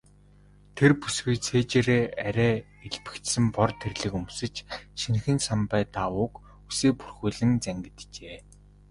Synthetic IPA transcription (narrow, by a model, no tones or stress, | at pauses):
t̪ʰerpusɡujt͡sʰeːt͡ɕeːɾeːæɾʲæː | eɮpɘ̥̆kt̪sɘ̆mpɔrt̪ʰerɮɘ̆kɵmsɘ̆t͡ɕʃin̆xɘ̆nsampæːt̪aʊːk | useːpu̥rxuːɮɘ̆ŋt͡sæŋɡɘ̆t̪t͡ɕeː